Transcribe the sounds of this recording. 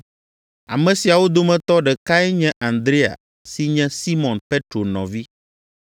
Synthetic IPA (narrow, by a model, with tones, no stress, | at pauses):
a̰˨mɛ̃˨si˨a˨wo˦d̪o˦mɛ̃˦t̪ɔ˦ɖɛ˨ka˦ɛ˦ɲɛ̃˦ʔã˨nd̪ɾe˦a̰˨ | si˦ɲɛ̃˦si˦mɔ̃˨npe˦t̪ɾo˨nɔ̰̃˨vi˦